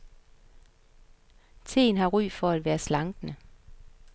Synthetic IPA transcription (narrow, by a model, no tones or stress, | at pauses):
t͡sʰeːn̩hɑːʁyːfɒæd̥ʋæːɐslɑŋɡ̥nə